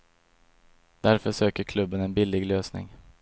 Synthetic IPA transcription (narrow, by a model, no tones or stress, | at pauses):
d̪̥æɾfœʂøːkəɾkʰlɵbːənɛnbɪlːɪɡløːsnɪ̰ŋ